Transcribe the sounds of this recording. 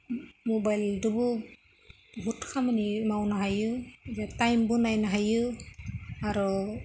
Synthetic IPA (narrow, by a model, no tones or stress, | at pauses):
mɔbajldubu | bʱutkʰamanimawnaɦajɯzatajmbunajnaɦajɯ | aɾɔ